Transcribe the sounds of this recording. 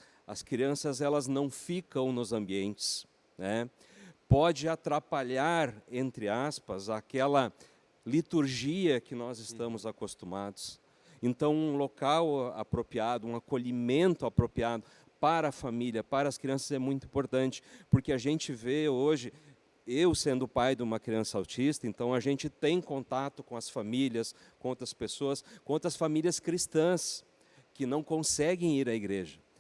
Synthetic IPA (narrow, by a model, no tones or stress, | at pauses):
ɐ̰skɾiɐ̃sɐzɛlɐznɐ̃w̃fikɐ̃w̃nʊzɐ̃mbiẽnt͡ʃɪ̥s | nɛ | pɔd͡ʒɪat̪ɾapaʎaɾẽnt̪ɾɪaspɐzakɛlɐ | lit̪uɾʒiɐkɪnɔzɪst̪ɐ̃mʊzakost̪umad̪ʊs | ẽnt̪ɐ̃w̃ũlokawa̰pɾopiad̪ʊũakoʎimẽnt̪ʊapɾopiad̪ʊ | paɾɐːfamiljɐpaɾɐskɾiɐ̃sɐzɛmũj̃t̪ʊĩpoɾt̪ɐ̃nt͡ʃɪ̥poɾkeaʒẽnt͡ʃɪveoʒɪ | ewsẽnd̪ʊpajd̪ɪũmɐkɾiɐ̃sɐawt͡ʃist̪ɐẽnt̪ɐ̃w̃ɐʒẽnt͡ʃɪt̪ẽj̃kõnt̪at̪ʊkõɐsfamiliɐskõowt̪ɾɐspesoɐskõowt̪ɾɐsfamilʲiɐskɾist̪ɐ̃s | kɪnɐ̃w̃kõsɛɡẽj̃iɾɐiɡɾeʒɐ